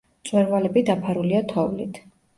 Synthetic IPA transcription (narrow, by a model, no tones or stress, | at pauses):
t̪sʼwɛɾvalɛbid̪apʰaɾuliat̪ʰɔvlit̪ʰ